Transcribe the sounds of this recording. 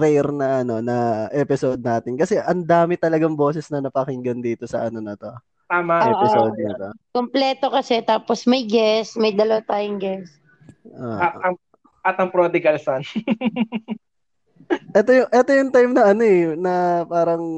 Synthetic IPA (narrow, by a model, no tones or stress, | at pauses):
ɾɛjɾnɐʔɐno̞nɐʔɛpɪsod̪̚naːt̪ɪnkɐsɛʔɐnd̪aːmɪt̪ɐlɐɡɐŋbo̞ːsɪsnɐnɐpɐhɪŋɡɐnd̪iːt̪o̞sɐ̰ʔɐno̞nɐt̪o̞ | t̪aːmɐɛʔpɪsoːd̪nɐt̪okomplɛːt̪o̞kɐsɛt̪aːposmɐjɡɛsmɐjd̪ɐlɐwat̪aːjʊŋɡɛs | ʔo̰ːɐt̪ɐŋ | ʔɐt̪ɐŋpɾod̪ɪkɐlsan | ʔɛt̪ojʊŋʔɛt̪ojʊŋt̪ajmnɐʔɐno̞ɛnɐpaːɾɐŋ